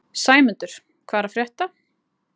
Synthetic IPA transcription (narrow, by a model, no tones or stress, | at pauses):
saːjmʏnt̪ʏɾ̥ | kʰvaːɾafɾjɛht̪a